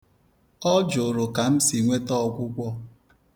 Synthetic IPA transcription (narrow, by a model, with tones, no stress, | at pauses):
ɔ˦d͡ʒʊ˨ɾʊ˨ka˨m̩˦si˨ŋʷe˦tɔ˦˨kʷʊ˦kʷɔ˦